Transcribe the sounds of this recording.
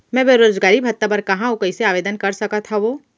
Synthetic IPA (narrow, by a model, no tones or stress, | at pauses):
mɛ̃ːbeɾoːzɡaːɾibʱɐt̪ːapɐɾkɐɦãokəiseaːʋeːd̪ənkɐɾsɐkat̪ʰaʋoː